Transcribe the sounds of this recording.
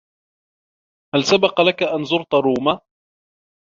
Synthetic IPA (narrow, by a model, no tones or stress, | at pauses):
halsabɑqɑlakaʔanzʊɾt̪aɾˤuːma